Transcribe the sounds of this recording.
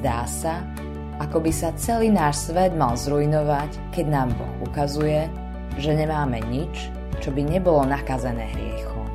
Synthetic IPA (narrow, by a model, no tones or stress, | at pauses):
d̪aːsa | akɔbisat͡sɛliːnaːʃsʋɛd̪malzɾuinɔʋac | kɛɟnaːmbɔ̰xṵkazujɛ | ʒɛɲɛmaːmɛɲit͡ʃ | t͡ʃɔbiɲɛbɔlɔnakazɛnɛ̰ːɦɾɪɛ̰xu